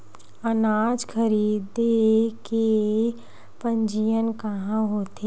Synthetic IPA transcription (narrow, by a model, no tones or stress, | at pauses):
ɐnaːd͡ʒkʰəɾiːd̪eke | pə̃ɲd͡ʒijənkɐɦãɦoːt̪e